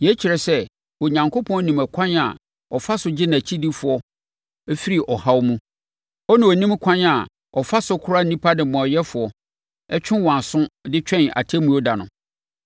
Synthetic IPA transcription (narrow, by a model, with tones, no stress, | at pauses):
jɛ˨˦t͡ɕʰi˨ɾɛ˨sɛ˦ | wɔ˨ɲã˨ŋkʰo˦pʰɔ̃˦nĩ˨mæ˨kʷʰã˦na̰˨ | ɔ˨fa˦sʊ˨d͡ʑɪ˦na˨t͡ɕʰi˦di˦fʊ˨ɔ˦ | ɛ˦fi˦ɾi˨ʔɔ˨ha˦wmũ˦ | ɔ˦nɪ̃˨ɔ˨nĩ˦m˦kʷʰã˦na˨ | ɔ˨fa˦sʊ˦kʰʊ˦ɾa˦n˦nĩ˦pʰa˦dɪ̃˨mɔ̃˨ɔ˨jɛ˦fʊ˨ɔ˨ | ɛ˦t͡ɕᶣɪ̃˦wɔ̃˨a˨sʊ̃˦dɪ˦t͡ɕᶣɛ̃˦na̰˨tʰe˦mũ˦ɔ˦da˨nʊ̰̃˨